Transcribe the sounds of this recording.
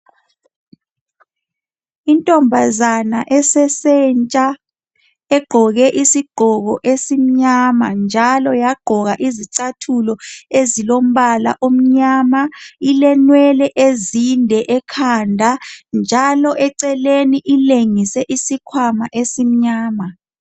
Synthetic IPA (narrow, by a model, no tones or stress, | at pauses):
intʼɔmbʱazanaʔɛsɛsɛnt͡ʃʼa | ɛɡ͡ǃ̥ʱɔɣɛʔisiɡ͡ǃ̥ʱɔɣɔʔesim̩ɲamand͡ʒʱalɔjaɡ͡ǃ̥ʱɔɣaʔiziǀatʰulɔezilom̩βala̰ʔom̩ɲaːmailɛnwɛlɛʔezindʱɛʔɛkʰandʱand͡ʒʱalɔʔɛǀɛleniʔileŋisɛʔisikʰwamaʔesim̩ɲaːma